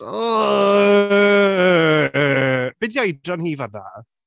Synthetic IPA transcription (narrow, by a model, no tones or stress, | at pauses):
ɔ | b̥ɪdjajdrɔnhiːvada̰